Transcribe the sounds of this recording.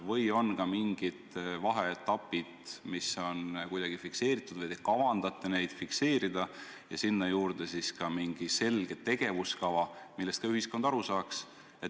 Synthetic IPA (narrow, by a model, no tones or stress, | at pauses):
vɤjo̞nkɑmiŋɡ̥id̪̥vɑɦeet̪ːˑɑpːˑid̪̥miso̞nkujd̪̥ɑɡ̥ifikse̞ːɾit̪ːˑud̪̥vɤjt̪ekɑvɑnd̪̥ɑt̪ːˑene̞jd̪̥fikse̞ːɾid̪̥ɑ | jɑ̰sinːɑjuːɾd̪̥e̞siskɑmiŋɡ̥ise̞lɡ̥e̞t̪ːe̞ɡ̥e̞vuskɑvɑmilːest̪kɑyɦisko̞nd̪̥ɑɾusɑːks | e̞t̪